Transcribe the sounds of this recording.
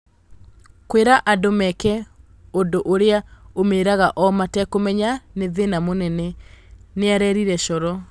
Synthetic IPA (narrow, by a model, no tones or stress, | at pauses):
kweɾaʔadomɛkɛ | ondoʔoɾeaomeːɾaɣaʔɔmatɛkomɛɲaneðenamonɛnɛneaɾɛɾiɾɛɕɔɾɔ